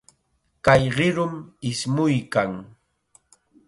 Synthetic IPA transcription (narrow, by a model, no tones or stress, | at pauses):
kajɢɪɾʊmɪsmʊjkaŋ